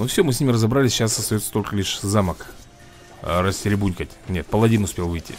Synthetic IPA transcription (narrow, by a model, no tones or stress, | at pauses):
nufsʲomɨsʲnʲimʲɪrəzɐbɾalʲɪsʲɕasəɐst̪ɐjot̪sə̥t̪o̞lʲkəlʲiʂzamək | rəsʲtʲɪɾʲɪbunʲkətʲnʲe̞t̪̚pəlˠɐvʲinʊspʲe̞lˠvɨjtʲḭ